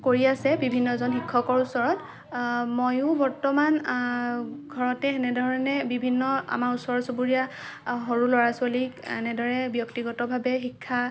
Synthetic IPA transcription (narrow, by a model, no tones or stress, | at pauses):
koɹiasɛbibʱinːɔzɔnxikʰːɔkɔɹusɔɹɔt | mojʊbɔɹtɔman | ɡʱɔɹɔtɛɛnɛdɔɹɔnɛbibʱinːɔa̰maɹusɔɹɔtsopuɹija | ɦoɹulɔɹasaliɛ̰nɛdɔɹɛbjɔktiɡɔtɔbʱabɛxikʰːa